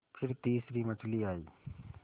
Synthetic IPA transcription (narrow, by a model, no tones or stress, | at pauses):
pʰɪɾt̪iːsɾiːmət͡ʃʰliːaːiː